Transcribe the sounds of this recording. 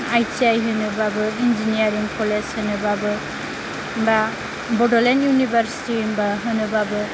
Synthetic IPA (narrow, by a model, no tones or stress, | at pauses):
ajt͡ʃiajɦɯnɯbabɯind͡ʒinijaɾiŋkʰoleshɯnɯbabɯ | ba | bɔdolenjunibʱaɾsi̥tiŋbaɦɯnɯbabɯ